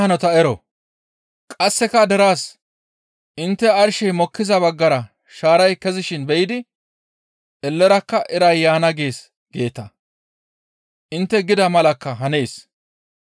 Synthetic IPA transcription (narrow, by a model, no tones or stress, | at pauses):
hɐnɔt̪ɐɛɾɔ̰ | kʼɐsːɛkɐd̪ɛɾaːs | ʔɪnt̪ːɛɐɾʃɛjmɔkːɪzɐbɐɡːɐɾɐ | ʃaːɾɐjkɛzɪʃɪnbɛjɪd̪ɪ | ʔɛlːɛɾɐkːɐʔɛɾɐjːaːnɐɡe̞ːs | ɡ̥e̞ːt̪ːɐ | ʔɪnt̪ːɛɡɪd̪ɐmɐlɐkːɐɦɐne̞ːs